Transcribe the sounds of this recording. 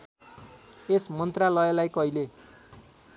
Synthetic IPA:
esmʌnt̪ralʌʌlajkʌile

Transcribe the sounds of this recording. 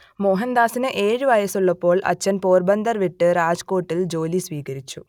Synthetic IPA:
mo̞ːɦɐnd̪aːsinɨʔeːɻuʋɐjɐsuɭːɐpːo̞ːɭʔɐ̰t͡ɕːɐnpoːrbɐnd̪ɐrʋiʈːɨɾaːd͡ʑko̞ːʈːild͡ʑo̞ːlisʋiːɣɐɾit͡ɕːu

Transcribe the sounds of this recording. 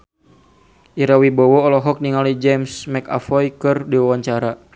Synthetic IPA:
ʔiɾawibɔwɔːlɔɦɔk̚niŋalid͡ʒɛmsmɛka̰fɔjkɨrdiwawaɲt͡ʃaɾa

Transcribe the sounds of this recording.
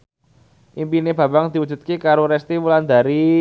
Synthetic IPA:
ʔimpineb̥ä̤baŋd̪̥i̤wud̥d͡ʒʒ̥ṳt̪̚kikaɾoɾɛst̪imuland̪a̤ɾi

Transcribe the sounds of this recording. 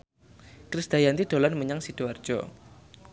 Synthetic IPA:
kɾisd̪̥ajant̪id̪̥o̤lanməɲaŋsid̥oar̥d͡ʒ̥ɔ̰

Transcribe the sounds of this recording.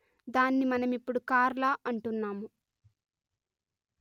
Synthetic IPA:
d̪aːnːimɐnɐmipːuɽukaːɾlaɐɳʈunːaːmu

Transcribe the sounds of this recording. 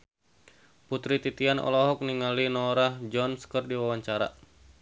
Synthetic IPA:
put̪ɾit̪it̪ianʔɔ̰lɔɦɔk̚niŋalinɔɾahd͡ʒɔnskərdiwawaɲt͡ʃaɾa

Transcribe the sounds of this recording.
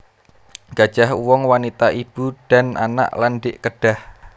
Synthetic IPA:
ɡ̥a̤d̥ʒ̥ahuwɔŋwanit̪aʔib̥uɖ̥a̤nʔa̰na̰ʔlanɖɪʔkəɖ̥a̤h

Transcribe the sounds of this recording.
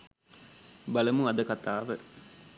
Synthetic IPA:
baləmuɐd̪əkat̪aːʋə

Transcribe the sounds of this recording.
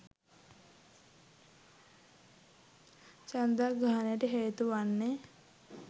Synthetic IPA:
t͡ʃand̪aɡaːanejəʈəɦeːt̪uʋanːe

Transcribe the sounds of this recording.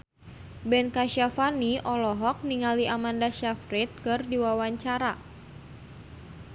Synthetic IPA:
bɛnkaʃafaniʔɔlɔɦɔk̚niŋaliʔamandaʃafɾit̪̚kɨrdiwawaɲt͡ʃaɾa

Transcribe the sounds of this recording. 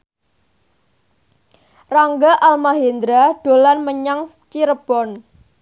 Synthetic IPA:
raŋɡaʔalmaɦend̪ɾaɖ̥o̤lanməɲaŋst͡ʃiɾəb̥ɔn

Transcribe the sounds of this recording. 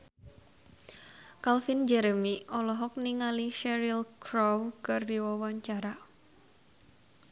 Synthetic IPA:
kalfind͡ʒɛɾəmiɔlɔɦɔk̚niŋaliʃɛɾilkɾɔwkɨrdiwawaɲt͡ʃaɾa

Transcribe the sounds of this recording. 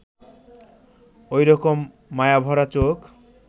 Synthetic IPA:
ojɾɔkomː | ajabʱɔɾat͡ɕok

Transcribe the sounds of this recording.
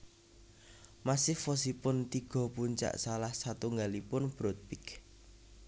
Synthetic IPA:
masɪhfɔs̬ipʊnt̪iɡ̥ɔ̤puɲt͡ʃa̰ʔsalahsat̪uŋɡalipʊnb̥ɾot̪̚pɪk

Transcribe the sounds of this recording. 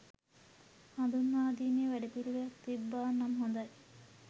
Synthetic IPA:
hand̪unːaːd̪iːmeʋæɖepiluʋejɐkt̪ibːaːnːɐmɦond̪ɐj

